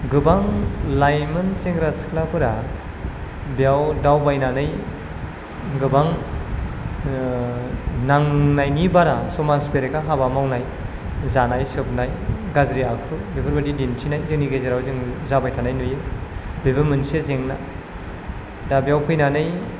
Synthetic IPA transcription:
ɡɯbaŋlajmɯnseŋɡɾaskʰlapʰɯɾa | bijawdawbajnanɯj | ɡɯbaŋ | naŋnajnibaɾasɔmasbeɾekaɦabamawnaj | zanajsɯp̚najɡazɾiakʰɯbebɯɾmɯndidintʰinajzɯŋniɡezeɾawzɯŋzabajtʰanajnɯjɯbebɯmɯnsezeŋna̰ | dabijawpʰɯjnanɯj

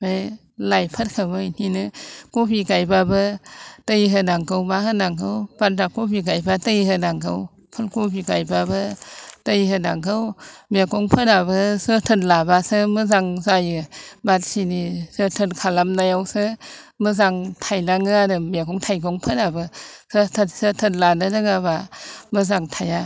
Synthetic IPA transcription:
baj | lajpʰət̚kʰabəininɨkopikajbabətəjiɦəndaŋkəwbahəndaŋkəwbat̚dakopik̬ajbatəjihədaŋkəw | pʰəlkupikajbabətəjihədaŋkʰəwmekoŋpʰədabəsətʰɯnlabasɯmɯzaŋzajibat̚sʰinisətʰənkʰalamnajawsɯməzaŋtʰajnaŋɯadɯmekoŋtʰajkoŋpʰənabɯsɯtʰsətʰənlanɯdɯŋabamɯzaŋtʰaja

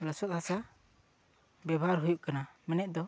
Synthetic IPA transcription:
lɔsɔt̪̚hasa | bɛbʱaɾɦujuʔkanamɛnɛʔ̪̚d̪ɔ

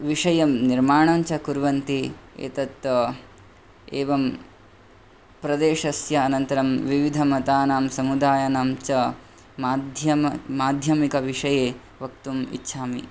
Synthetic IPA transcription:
ʋiʂɐjɐmniɾmaːɳ̃ɐɲt͡ʃɐkuɾʋɐnt̪iḛːt̪ɐt̪ | eːʋɐm | pɾɐd̪eːʂɐsjɐːnɐnt̪ɐɾɐmʋiʋid̪ʱɐmɐt̪aːnaːmsɐmud̪aːjɐnaːmt͡ʃɐ | maːd̪ʱjɐmaːd̪ʱjɐmikɐʋiʂɐjeː | ʋɐk̚t̪umḭtːʃʰaːmḭ

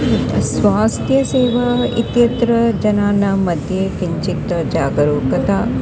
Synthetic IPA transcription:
sʋaːst̪ʰjɐseːʋaḭt̪jɐt̪ɾɐd͡ʒɐnaːnamɐd̪ʱjekiɲt͡ʃikt̪ɐd͡ʒaːɡɐɾuːkɐt̪aː

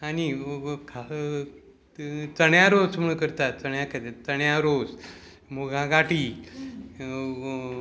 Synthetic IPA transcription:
anikʰa | t͡səɳjaɾot͡sm̤əɭkəɾt̪at͡səɳjãkʰat̪et͡səɳjaɾod͡z | moɡʱãɡaʈiː

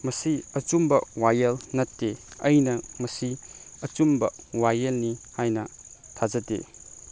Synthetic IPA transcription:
mɐsiɐt͡ʃumbɐwajɐlnɐtːeɐjnɐmɐsiɐt͡ʃumbɐwajelnihajnɐtʰazɐdḛ

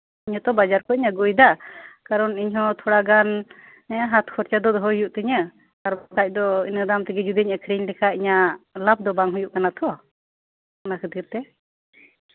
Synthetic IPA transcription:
iɲhɔt̪ɔbad͡ʒaɾkɔiɲaɡujd̪akaɾɔniɲɦɔ̃t̪ʰɔɽaɡan | ɛaɦat̪kʰɔɾt͡ʃad̪ɔd̪ɔɦɔjuʔt̪ɛɲə | kaɾɔk̪ac̚ˀd̪ɔḭnəd̪amt̪iɡɛd͡ʒud̪əɲəkʰɾiɲlɛkʰaiɲaʔlap̚d̪ɔbaŋɦujuʔkanat̪ʰɔ | nakʰɯt̪iɾt̪ɛ

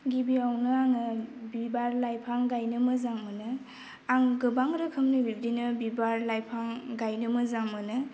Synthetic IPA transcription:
ɡibiawnɯaŋɯbibaɾlajpʰaŋɡajnɯmɯzaŋmɯnɯ | aŋɡɯbaŋɾɯkʰɯmnɯbibdinɯbibaɾlajpʰaŋɡajnɯmɯzaŋmɯnɯ

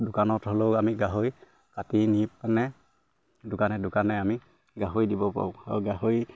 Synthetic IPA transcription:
dʊkanɔtholoamiɡaɦoj | katinip̚anɛ | dʊkanɛdʊkanɛami | ɡaɦojdibɔpa̰ɹʊ̃a̰uɡaɦoj

